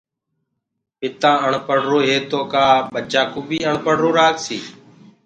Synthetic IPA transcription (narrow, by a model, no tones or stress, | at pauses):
pɪt̪ãːəɳpəɽ̤ɾoːɦeːt̪oːkaːɓət͡ʃaːkuːbiːəɳpəɽ̤ɾoːɾaːksiː